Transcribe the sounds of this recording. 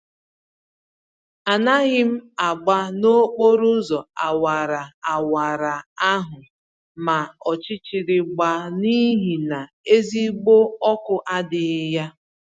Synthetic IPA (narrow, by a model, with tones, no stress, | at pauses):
a˨na˦ɣɪ˦m̩˦a˨ɡ͡ba˦no˦k͡po˦ɾu˦zɔ˨a˨wa˨ɾa˨a˨wa˨ɾa˨a˦ɦʊ˨ | ma˨ɔ˨t͡ʃɪ˦t͡ʃi˨ɾɪ˨ɡ͡ba˨ni˦ɦi˨na˨ | e˦zi˦ɡ͡bo˦ɔ˦kʊ˦ʔa˦dɪ˨˦ja˦